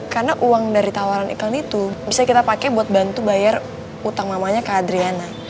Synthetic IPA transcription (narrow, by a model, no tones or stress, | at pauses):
karnaʔuaŋdaɾit̪awaɾanḭkalit̪ubisakit̪apakɛbuat̪̚bant̪ubajar | ut̪aŋmamaɲakaːdɾiana